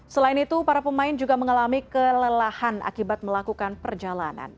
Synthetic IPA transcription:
səlaɪnit̪upaɾapəmaɪnd͡ʒuɡaməŋalamikələlahanʔa̰kibat̪̚məlakukanpərd͡ʒalana̰n

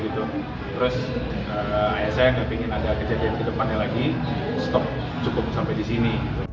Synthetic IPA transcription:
ɡit̪u | t̪əɾʊs | əajasajaŋɡapiŋɪnadakəd͡ʒadiamkədəpanːalaɡi | st̪ɔp̚ | t͡ʃukʊp̚sampajdisini

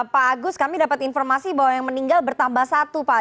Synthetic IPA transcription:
paːɡʊskamidapat̪infɔrmasibawajaŋməniŋɡalbərt̪ambahsat̪upa

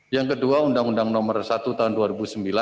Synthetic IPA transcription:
jaŋkəduaundaŋundaŋnɔmərsat̪ut̪aɦʊnduaɾibusəmbila

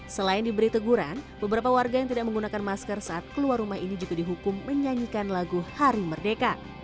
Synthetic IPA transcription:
səlaɪndibəɾit̪əɡuɾanbəbəɾapawarɡajaŋt̪̬idaʔk̚məŋɡunakanmaskərsaʔat̪̚kəluarumaɦinid͡ʒuɡadiɦukʊmːəɲaɲikanlaɡuhaɾimərdeka

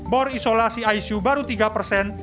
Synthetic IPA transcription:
bɔrisolasiajsubaɾut̪iɡapərsɛn

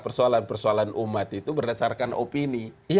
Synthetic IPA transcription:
pərsualanpərsualanʔumat̪it̪ubərdat͡ʃaɾkanʔo̰pini

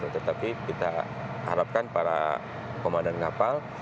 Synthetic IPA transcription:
ut̪ət̪apikit̪a̰ | ha̰ɾap̚kanpaɾa̰ | komandɛnkapal

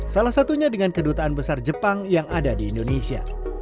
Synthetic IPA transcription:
salahsat̪uɲadəŋankədut̪aːnbəsard͡ʒəpaŋjaŋadadiːndonesia̰

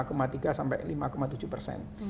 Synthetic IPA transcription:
komat̪iɡasampɛ̰ʔlimakomat̪ud͡ʒupərsɛ̰n

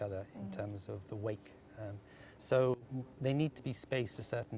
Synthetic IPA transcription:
ʌðə˞ɪ̃ntʰɜ̃˞mzʌvðəweɪk | soʊðeɪnid̚tʰəbispeɪstʰəsɜˑ˞ʔn̩

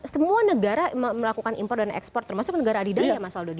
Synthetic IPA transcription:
səmuanəɡaɾamməlakukanḭmpɔrt̚danɛ̰kspɔrt̪ːərmasʊk̚nəɡaɾaːdidajamasaldaɡi

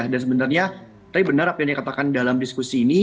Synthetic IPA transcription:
ahdansəbənarɲa | t̪abibənarapjandikat̪akandalamdiskusiːni

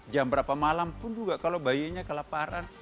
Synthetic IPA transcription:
d͡ʒambəɾapamalampʊnd͡ʒuɡaʔkalobajaɲakəlapaɾan

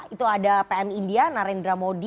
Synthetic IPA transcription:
it̪uadapeɛmindianaɾɛndɾamodi

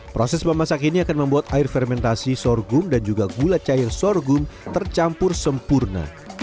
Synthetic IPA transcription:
pɾosɛsmamasakiniakanməmbuat̪aɪrfɛrmɛnt̪asisɔrɡʊmdand͡ʒuɡaɡulat͡ʃaɪrsɔrɡʊmt̪ərt͡ʃampʊrsəmpurna̰

